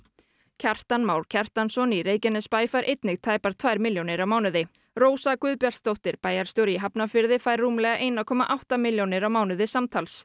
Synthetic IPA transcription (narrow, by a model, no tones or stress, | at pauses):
cʰar̥t̪anmaːwɾ̥cʰar̥t̪ansɔniɾeːjcɛnɛspaːjfajɾʔejt̪nɪɣt̪ʰaːjpaɾ̥t̪ʰvajɾmɪljownɪɾawmaːwnʏðɪ | roːwsakʏðpjar̥t̪st̪owht̪ɪɾpaːjaɾ̥st̪joɾjɪɦapnafɪɾðɪfajɾːuːmlɛɣaʔejnakʰɔːmaʔawht̪amɪljownɪɾawmaːwnʏðɪsamt̪ʰals